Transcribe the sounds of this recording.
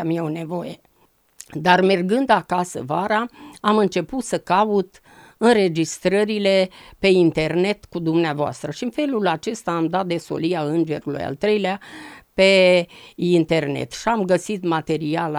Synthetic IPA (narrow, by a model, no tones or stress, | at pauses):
amijeone̞vo̞je | d̪arme̞rɡɨnd̪akasə̰vaɾaamɨnt͡ʃe̞put̪səkaut̪ | ɨnre̞d͡ʒist̪ɾəɾile̞pe̞int̪e̞rne̞t̪kud̪umneavoa̰st̪ɾəʃiɨnfe̞lulat͡ʃe̞st̪aːmd̪at̪̚d̪e̞so̞̰lijaɨnd͡ʒe̞ɾulṵja̰lt̪ɾe̞jleape̞ | int̪e̞rnḛt̪ʃiamɡəsit̪mat̪e̞ɾial